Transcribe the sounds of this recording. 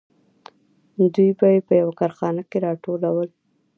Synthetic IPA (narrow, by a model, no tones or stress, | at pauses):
d̪ujbajepəjawakɑɾxɑnakeɾɑʈolawəl